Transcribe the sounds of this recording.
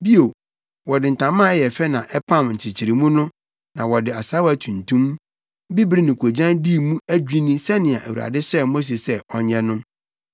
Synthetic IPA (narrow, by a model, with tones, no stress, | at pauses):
bi˦o˨ | wɔ˨dɪ˨n̩˨tʰã˨mã˦ɛ˦jɛ˨fɛ˦nã˨ʔɛ˦pʰã˦mɲ̩˨t͡ɕʰɪ˨t͡ɕʰɪ˨ɾi˨mũ˦nʊ̃˦ | nã˨wɔ˨dɪ˨a˨sa˦wæ˨tʰũ˨ntʰũ˦m | bi˦bɾi˦nɪ̃˨kʰo˨d͡ʑã˦ndi˦˨mũ˦æ˦d͡ʑᶣi˦nĩ˦sɛ˦nɪ̃˨a˨ʔæ˨wu˨a̰˨dɪ˦ɕɛ˦˨mo˦s̬e˨sɛ˦˨ɔ˨ɲɛ̃˦nʊ̃˦